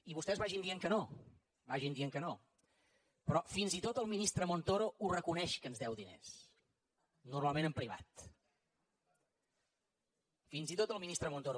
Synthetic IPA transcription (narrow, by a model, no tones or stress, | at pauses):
iβust̪ɛzβaʒind̪ieŋkəno | βaʒind̪ieŋkəno | pɾɔfinzit̪ot̪əlˠminist̪ɾəmont̪oɾourəkunɛʃkənzðɛwðinḛs | nuɾmalˠmẽnəmpɾiβa̰t̪ | finzit̪ot̪əlˠminist̪ɾəmont̪oɾo